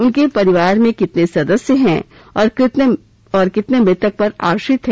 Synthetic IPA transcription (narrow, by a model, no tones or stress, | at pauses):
ʊnkepɐɾɪʋaːɾmẽkɪt̪nesɐd̪əsjəɦɛ̰̃ː | ɔːɾt̪ | ɔːɾkɪt̪nemɾɪt̪ək̚pɐɾa̰ːɾʃɪt̪ɦɛ̃